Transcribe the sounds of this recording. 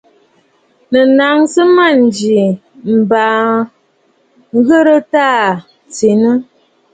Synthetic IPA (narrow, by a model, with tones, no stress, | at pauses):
nə˨na˨˦ŋsə˦ma˦˨n˨d͡ʒi˨ | m̩˨ba˨ | ŋ˦ɣə˦ɾə˦ta˦˨ | t͡se˨nə˦